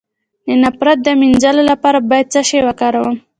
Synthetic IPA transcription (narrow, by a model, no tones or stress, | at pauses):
nənapɾat̪̚d̪əminzalolapɑɾabɑjad̪̚t͡saʃewakɑɾawəm